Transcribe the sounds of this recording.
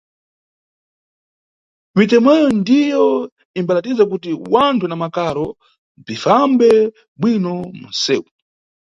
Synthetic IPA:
mit̬ɛmɛjɔndijɔ | imbalatizakutiwantʰunamakaɾɔ | b͡ʐifambɛ | ɓwinɔmṵnsɛ̰ːu

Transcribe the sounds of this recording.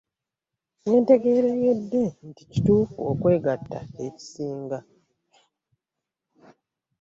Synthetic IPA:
nwe̞ːnte̞ɡe̞ːɾejedːe̞ntici̥tuːfuokwe̞ːɡatːa̰e̞ci̥siːŋɡa

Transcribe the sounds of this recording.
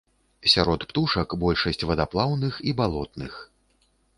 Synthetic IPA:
sʲaɾɔt̪pt̪uʂɐkbɔlʲʂɐsʲt͡sʲvɐd̪aplˠawnɨxibalˠɔt̪̚nɨx

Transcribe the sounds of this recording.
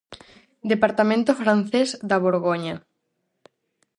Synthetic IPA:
d̪epaɾt̪amẽnt̪ofɾan̟θezd̪aβoɾɣoɲɐ

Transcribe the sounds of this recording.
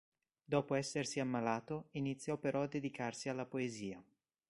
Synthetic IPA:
d̪ɔːpoɛsːersiamːalaːt̪oinit̪sːjɔpeɾɔad̪ːed̪ikarsialːapoeziːa

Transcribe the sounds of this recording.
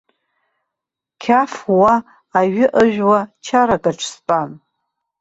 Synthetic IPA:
kʲʰafwaː | ɥɪʔəʒᶣwat͡ʃʰaɾakʼaʈ͡ʂʰspʼan

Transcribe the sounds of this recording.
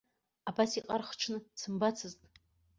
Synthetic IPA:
abasiqʼarχʈ͡ʂʰnɨt͡sʰɨmbat͡sʰɨztʼ

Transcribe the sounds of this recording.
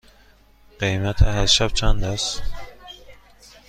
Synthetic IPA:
ɢ̥ejmæt̪ʰæɦæɾʃæb̥̚t͡ʃʰænd̪æs

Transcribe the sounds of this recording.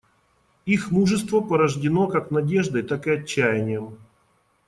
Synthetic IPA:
ixmuʐɨst̪vəpəɾəʐdʲɪno̞kaknɐdʲe̞ʐd̪əjt̪akɨɐt͡ɕːæjɪnʲɪjəm

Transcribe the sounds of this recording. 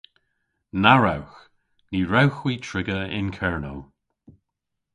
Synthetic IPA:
naɹawx | niːɹawxwiːtʰɹɪɡəɪ̰nkʰɛɹno̰w

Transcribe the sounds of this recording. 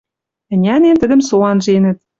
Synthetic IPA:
ɘ̆nʲænent̪ə̆d̪ə̆msolɑnʒenə̆t̪̚

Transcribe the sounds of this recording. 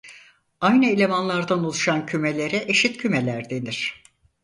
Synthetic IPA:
ajnɯelʲe̞vanlˠaɾd̪anolˠuʃancʰymelʲe̞ɾɛʔeʃit̪cʰymelʲæɾd̪e̞niɾ̝̥

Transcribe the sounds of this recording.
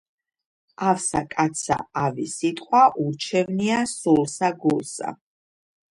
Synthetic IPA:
afsakʼat̪sʰa̰avisit̪ʼqʼwaʔuɾt͡ʃʰɛvniasulˠsaɡulsa̰

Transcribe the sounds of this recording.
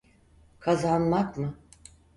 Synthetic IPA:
kʰazanmakmɯ

